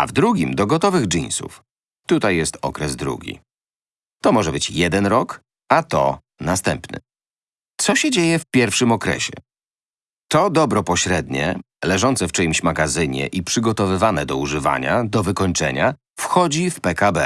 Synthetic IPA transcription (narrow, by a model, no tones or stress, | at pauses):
a̰vd̪ɾuɡʲimd̪ɔɡɔt̪ɔvɘɣd͡ʐinsṵf | t̪ut̪ajːɛst̪ɔ̰kɾɛzd̪ɾṵɡʲḭ | t̪ɔmɔʐɛbɘt͡ɕjɛd̪ɛnɾɔk | at̪ɔ̰ | nast̪ɛmpnɘ̰ | t̪sɔɕɛd͡ʑejɛfpʲjɛɾfʂɘmɔkɾɛ̰ɕɛ̰ | t̪ɔd̪ɔbɾɔpɔɕɾɛd̪ɲɛ̰ | lɛʐɔnt̪sɛft͡ʂɛmɕmaɡazɘɲɛ̰ʔipʂɘɡɔt̪ɔvɘvanɛd̪ɔuʐɘva̰ɲad̪ɔvɘkɔɲt͡ʂɛ̰ɲa | fxɔd͡ʑifpɛkabɛ